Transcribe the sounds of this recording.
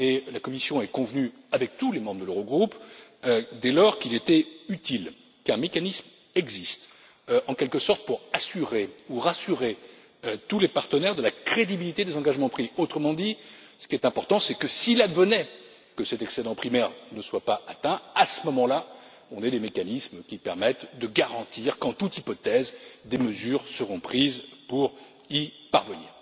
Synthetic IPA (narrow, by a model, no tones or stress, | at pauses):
elakɔmisjɔ̃ɛkɔ̃vny | avɛk̚t̪ulemɑ̃bʁəd̪əløʁoɡʁup | d̪ɛlɔʁkilet̪ɛyt̪il | kɛ̃mekanism | ɛɡzist̪ | ɑ̃kʲɛlkəsɔʁt̪̚puʁasyʁeuʁasyʁe | øt̪ulepaʁt̪ənɛʁd̪əlakχed̪ibilit̪ed̪ezɑ̃ɡaʒmɑ̃pχiot̪χəmɑ̃d̪i | sə̥kʲiɛt̪ɛ̃pɔʁt̪ɑ̃sɛkəsilad̪vənɛ | kəsɛt̪ɛksed̪ɑ̃pχimɛʁnəswapaat̪ɛ̃asəmɔmɑ̃la | ɔ̃nɛd̪emekanismkʲipɛʁmɛt̪d̪əɡaʁɑ̃t̪iʁkɑ̃t̪ut̪ipɔt̪ɛzd̪eməzyʁsəʁɔ̃pχizpuʁ | ipa̰ʁvənḭːʁ